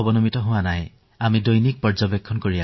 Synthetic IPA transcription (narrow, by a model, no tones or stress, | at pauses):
ɔbɔnɔmitɔɦʊ̃wanaj | amidojnik̚pɔɹd͡ʒɔbekʰːɔnkoɹia